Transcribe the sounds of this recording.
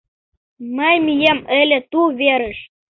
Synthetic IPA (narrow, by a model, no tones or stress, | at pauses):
məjmijeməlʲĕt̪uβeɾə̆ʃ